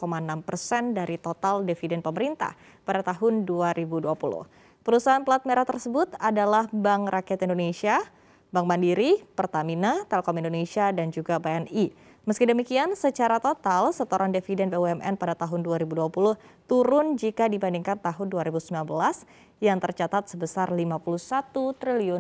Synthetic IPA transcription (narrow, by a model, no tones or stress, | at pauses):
komanampərsɛndaɾit̪ot̪aldefidɛnpəməɾint̪a̰h | padat̪aɦʊnduaɾibuduapulʊ̰h | pəɾusaɦanplat̪̚meɾat̪ərsəbʊt̪adalahbaŋrakɛt̪indonesia | baŋbandiɾipərt̪aminat̪ɛlɛkɔmindonesiadand͡ʒuɡabeɛni | məskidəmikiansət͡ʃaɾat̪ot̪alsət̪oɾʔandefidɛnbeuɛmɛ̰npadat̪aɦʊnduaɾibuduapulʊht̪uɾʊnd͡ʒikadibandiŋkant̪aɦʊnduaɾibusəmbilanbəlas | jaŋt̪ərt͡ʃat̪at̪̚səbəsarlimapuluhsat̪ut̪ɾiliʊ